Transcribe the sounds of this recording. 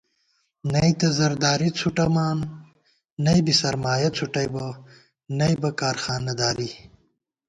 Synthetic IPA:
nɐjt̪ɐzɐɾd̪aːɾit͡sʰuʈɐmaːnː | ɐjbisɐɾmaːjɐt͡sʰuʈɐjbɐ | nɐjbɐkaːɾxaːnːɐd̪aːɾi

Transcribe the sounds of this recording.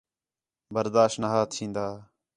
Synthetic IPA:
bəɾd̪aːʃtnaɦaːt̪t͡ʃʰĩːnd̪aː

